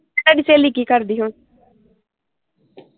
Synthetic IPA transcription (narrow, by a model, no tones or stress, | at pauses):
aɖiːseːliːkiːkəɾd̪iːɦʊn